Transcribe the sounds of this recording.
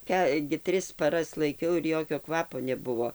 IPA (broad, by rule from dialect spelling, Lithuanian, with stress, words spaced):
ˈkɑː ɡʲɪ ˈtʲrʲɪs pɐˈrɐs lˠɐɪˈkʲɛʊ ɪr ˈjoːkʲoː ˈkʋɑːpoː nʲɛˈbʊʋoː